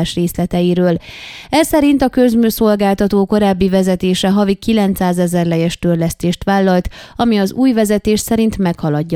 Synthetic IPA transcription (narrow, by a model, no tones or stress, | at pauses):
ʃreːslɛt̪ɛjiɾøːl | ɛsɛɾint̪ɒkø̞zmyːso̞lɡaːlt̪ɒt̪oːko̞ɾaːbːivɛzɛt̪eːʃɛɦɒvikːilɛnt̪saːzɛzɛrlɛjɛʃt̪ørlɛst̪eːʃt̪ʋaːlːɒlt̪ɒmiɒzuːjvɛzɛt̪eːʃsɛɾint̪mɛkhɒlɒɟː